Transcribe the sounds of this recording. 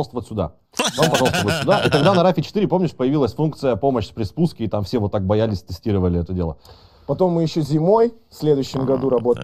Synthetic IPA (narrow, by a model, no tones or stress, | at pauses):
lˠt̪vəvətʲsʲʊd̪a̰ | vampɐʐalˠst̪əvət̪ʲsʲʊd̪aʔit̪ɐɡd̪anɐɾafʲɪt͡ɕɪ̥t̪iɾʲɪpo̞mnʲɪʂpəjɪvʲilˠəsʲfunkt̪sɨjəpo̞məɕspɾʲɪspuskʲɪːt̪amfsʲe̞vo̞t̪ːak̚bɐjalʲɪsʲt̪ɨsʲtʲiɾəvəlʲɪɛt̪ədʲe̞lˠə̰ | pɐt̪o̞mːɨjɪɕːozʲɪmo̞jfsʲlʲed̪ʊjɕːɪmɡɐd̪uɾɐbot̪